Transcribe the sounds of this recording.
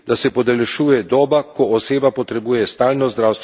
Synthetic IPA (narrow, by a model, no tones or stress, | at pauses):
d̪asɛpɔd̪ɛlɛʃuːjɛd̪ɔːbakɔːseːbapɔt̪ɾɛbuːjɛst̪aːlnɔzd̪ɾaːwst̪